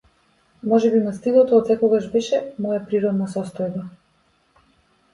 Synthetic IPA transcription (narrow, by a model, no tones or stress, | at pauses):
mɔʒɛbinast̪ilˠɔt̪ɔːt̪sɛkɔɡaʒbɛʃɛmɔjapɾiɾɔd̪nasɔst̪ɔjba